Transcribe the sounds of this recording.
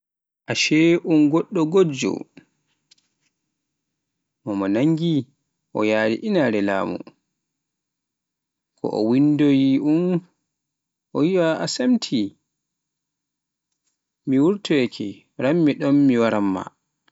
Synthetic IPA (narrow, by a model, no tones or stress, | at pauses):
ʔaʃɛʔunɡɔɗːɔɡod͡ʒɔ̰ | mɔmanaŋɡi | ʔɔjaːɾḭʔinaɾɛla̰ːmṵ | kʰɔ̰ʔɔ̰windojiʔun | ʔɔjiɓaʔasamtʰi | miwuɾtɔɛkʰɛ | ɾamːiɗɔmːiwaɾamːa̰